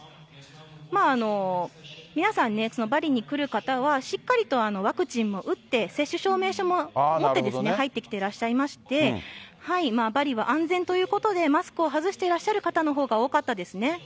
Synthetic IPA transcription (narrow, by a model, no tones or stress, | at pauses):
maːno̞ | mʲinasãnːe̞so̞no̞baɾʲiɲ̟ikɯ̟ɾɯ̟kat̪aβ̞aɕikːaɾʲit̪o̞ano̞βakɯ̟t͡ɕĩmːo̞ʔɯ̟t̪ːe̞se̞ɕːɨɕo̞ːme̞ːɕomomoːed̪e̞sɨne̞hait̪ːekʲi̥t̪e̞ɾaɕiːaimaɕi̥t̪e̞haimaːbaɾʲiβaʔãnd͡zẽ̞nt̪o̞jɯ̟ːko̞t̪o̞d̪e̞masɨ̥kɯ̟o̞ɦazɨɕi̥t̪eɾaɕːaɾɯ̟kat̪ano̞ɦo̞ːɡao̞ːkat̪ːad̪e̞sɨne̞